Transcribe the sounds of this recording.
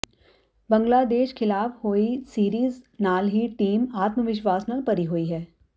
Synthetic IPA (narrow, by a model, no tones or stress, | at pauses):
bə̃ŋɡlaːd̪eːʃkʰɪlaːfhoːisiːɾiːznaːlɦiʈiːmaːt̪məʋɪʃʋaːsnəlpɐɾiɦoːiɦɛː